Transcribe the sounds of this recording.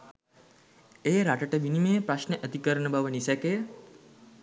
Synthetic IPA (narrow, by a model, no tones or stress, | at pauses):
eːɾaʈəʈəʋinimepɾaʃneʔəd̪ʱikəɾəɳəbʱaʋənisɛke